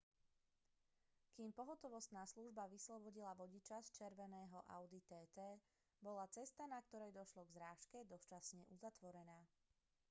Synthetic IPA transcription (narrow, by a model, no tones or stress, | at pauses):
kiːmpɔɦɔt̪ɔʋɔst̪naːsluʒbaʋislɔbɔɟilaʋɔɟit͡ʃast͡ʃɛɾʋɛnɛːɦɔʔa̰ʊd̪it̪ɛːt̪ɛː | bɔlat͡sɛst̪anak̚t̪ɔɾɛjd̪ɔʃlɔɡzɾaːʃkɛd̪ɔst͡ʃasɲɛʔuzat̪ʋɔɾɛnaː